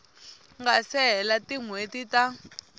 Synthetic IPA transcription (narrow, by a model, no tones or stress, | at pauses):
ŋɡasɛɦɛlatiŋwetita